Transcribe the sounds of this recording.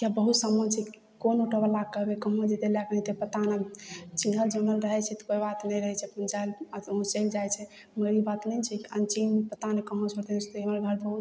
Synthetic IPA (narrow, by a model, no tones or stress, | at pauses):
kabəɦut̪səmət͡ʃʰɛ | konoʈʰəbəlakəbekəɦõd͡ʒed̪elaknit̪epət̪anat͡ʃinɦəld͡ʒənəlɾəɦɛt͡ʃʰɛt̪ɔ̥koibat̪nɛjɾəɦɛt͡ʃʰɛpund͡ʒajlũt͡ʃɛld͡ʒajt͡ʃʰɛ | məɾibat̪nɛt͡ʃʰɛkiənt͡ʃinmepət̪anekəɦõt͡ʃʰoɾt̪et͡ʃʰɛt̪oeməɾɡʱəɾbəɦut̪